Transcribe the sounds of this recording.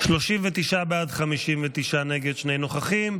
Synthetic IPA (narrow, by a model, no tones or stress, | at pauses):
ʃloʃimvet̪iʃabeadχamiʃimvet̪iʃaneɡed̪ʃne̞jno̞χaχim